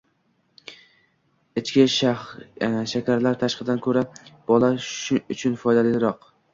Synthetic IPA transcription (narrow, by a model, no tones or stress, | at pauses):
ɪt͡ʃkʲɪʃ | ʃakʲʰaɾlaɾt̪ʰaʃqɨd̪ankʲʰɵɾab̥ɒlˠaʊt͡ʃʰʊnfɒjd̪aled̪ɪɾɒq